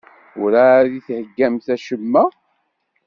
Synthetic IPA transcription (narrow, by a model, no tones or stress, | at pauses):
ʊɾaðiθhəɡːæmθæʃəmːæ